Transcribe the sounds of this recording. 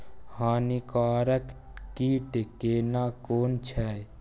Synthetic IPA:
haːnikaːɾək | kiːʈekeːnaːkoːnt͡ʃʰɛ

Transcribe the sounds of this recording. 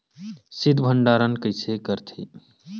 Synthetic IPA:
sid̪ʱbʱəɳɖaːɾənkəjsekəɾt̪ʰḭ

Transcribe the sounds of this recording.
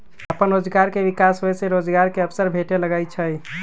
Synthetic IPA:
əpənɾod͡ʒɡaɾkebikasɦojseɾod͡ʒɡaɾkeəpsəɾbʱeʈeləɡəjt͡ʃʰəj

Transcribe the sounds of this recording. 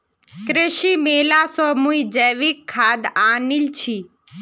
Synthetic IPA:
kɾeʃimelasɔmuid͡ʒəjʋikʰːaːd̪aːnilt͡ʃʰi

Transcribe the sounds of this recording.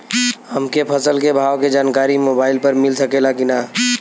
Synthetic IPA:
həmkepʰəsəlkebʱaːwked͡ʒaːnkaːɾimobaːɪilpəɾmilsəkelakina

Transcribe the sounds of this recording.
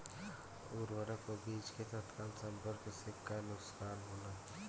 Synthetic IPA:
ʊɾwəɾakobiːd͡ʒket̪ət̪kaːlsɐmbəɾkesɪkːanʊkskaːnɦoːnaː

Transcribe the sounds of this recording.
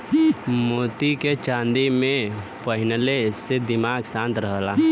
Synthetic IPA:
moːt̪iket͡ʃãːnd̪imẽpəɦɪnəlesed̪ɪmaːɡsãːnt̪ɾəɦla

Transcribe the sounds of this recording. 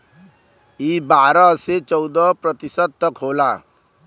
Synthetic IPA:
ibaːɾaset͡ʃɔwd̪ɔpɾət̪isəd̪̚t̪ʌkʰɦoːla

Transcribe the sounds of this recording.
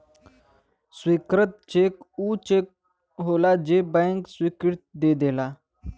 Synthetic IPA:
swikɾət̪̚t͡ɕekut͡ɕek̚ | ɦolad͡ʑebə̃ŋksʋikiɽt̪̚d̪ed̪ela

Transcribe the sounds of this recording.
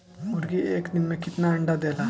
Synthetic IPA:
muɾɡieːknimːekɪt̪naɐɳɖad̪eːla

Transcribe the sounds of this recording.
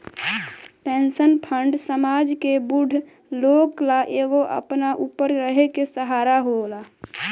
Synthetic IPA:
pẽnsənpʰəɳɖsəmad͡ʒkebuɖʱ | loːklaʔeːɡoʔə̰pnaʔupəɾɾəɦekesəɦaːɾaɦola

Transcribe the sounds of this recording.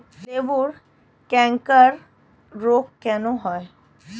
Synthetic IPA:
eʋuɾ | kɛ̃ŋkəɾ | ɾokkɛnõɦɔe

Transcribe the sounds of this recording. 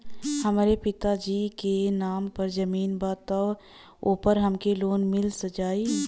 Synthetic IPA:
həmaːɾepɪt̪ad͡ʒiːkenaːmpəɾd͡ʒəmiːnbaːt̪ɔ | oːpəɾɦəmkeloːnmɪlsəd͡ʒaːi

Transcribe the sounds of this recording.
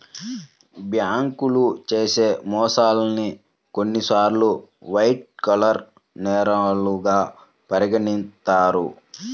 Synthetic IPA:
bjaːŋkulut͡ʃeːse̞ːmɔːsaːlɐni | konːisaːɾlu | ʋɐjʈ̚kɐlɐɾ | nɛːɾɐluɡaː | pɐɾiɡɐnint̪aːɾu

